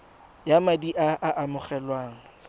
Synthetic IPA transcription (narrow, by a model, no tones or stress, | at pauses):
jamadiʔaʔaʔamʊχɛlwaːŋ̩